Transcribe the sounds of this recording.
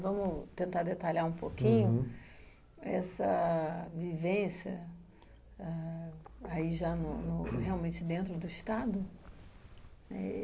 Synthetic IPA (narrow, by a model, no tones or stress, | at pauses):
vɐ̃mʊt̪ẽnt̪aɾd̪et̪alaũpokĩɲʊ | ɛsɐvivẽsjɐ̰ | a | aiʒanʊnʊheawmẽnt͡ʃɪd̪ẽnt̪ɾʊd̪ʊiʃt̪ad̪ʊ | nɛ̰